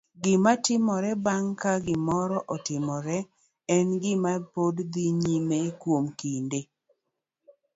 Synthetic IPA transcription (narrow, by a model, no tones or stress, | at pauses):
ɡɪmatɪmɔɾɛbaŋkaɡɪmɔɾɔʔɔtɪmɔɾɛ | ɛnɡɪmapodd̪iɲimekwomkinde